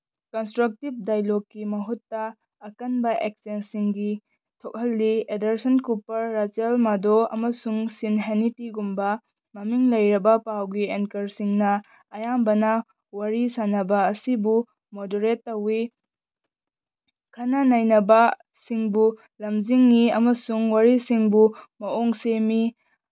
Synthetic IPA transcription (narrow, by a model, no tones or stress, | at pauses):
konstɾɐk̚tib̚dajlokːimɐɦutːɐː | kɐnbɐʔek̚sensiŋɡi | tʰok̚ɦɐlːiedɐɾsɐnkupɐɾːat͡ʃelmadoɐ̰mɐsuŋsinɦenitiɡumbɐ | mɐmiŋlɐjɾɐbɐpawɡienkɐɾsiŋnɐ | ɐjambɐnɐ | wɐɾisanɐbɐːsibu | modoɾetːɐwi | kʰɐnɐnajnɐbɐ | siŋbu | lɐmziŋːiɐmɐsuŋwaɾisiŋbumɐoŋsemi